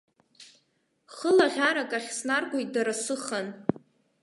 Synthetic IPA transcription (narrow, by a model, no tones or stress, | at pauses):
χəlaʁʲaɾakʼaχʲsnarɡʷʼajt̚ʼdaɾasɨχan